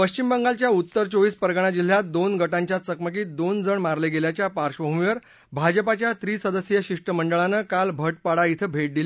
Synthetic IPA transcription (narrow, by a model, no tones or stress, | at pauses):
pəɕt͡ɕimbəŋɡalt͡ɕjaut̪ːəɾt͡soʋiːspəɾɡəɳ̃ad͡ʑil̤ːjad̪onɡəʈãɲt͡ɕjat͡səkmək̬iːt̪̚d̪ond͡zəɳmaɾleɡeljat͡ɕjapaɾʂəbəɦumiʋəɾ | bʱad͡ʑəpat͡ɕjat̪ɾiːsəd̪əsjəɕiʂʈəməɳɖəɭanəkalbʱəʈ̚paɽait̪ʰəbʱeʈ̚d̪ile